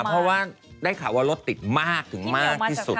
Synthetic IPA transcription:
pʰɾɔ˦˥waː˥˩ | daː˥˩jkʰaː˨˩˦waː˧˥˩lo˦˥t̪ːi˨˩t̪̚maː˥˩k̚t̪ʰɯ˨˩˦ŋmaː˥˩k̪̚ʰiː˥˩su˨˩t̪̚

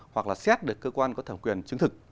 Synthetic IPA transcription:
hwa˨˩k̚laː˨˩sɛ˦˥t̚ɗɨ˨˩əkːəː˧kwaː˧nkɔ˨˦t̪ʰə˧˩ŋ͡mkwi˨˩ənt͡ɕɨ˧ŋt̪ɨ˨˩k̚

